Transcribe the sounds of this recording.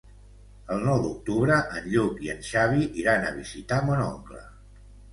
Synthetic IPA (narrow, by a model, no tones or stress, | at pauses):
əlˠnɔwd̪uk̚t̪uβɾəʔənʎukiə̰nʃaβiʔiɾanəβ̞izit̪amonɔ̰ŋklə̰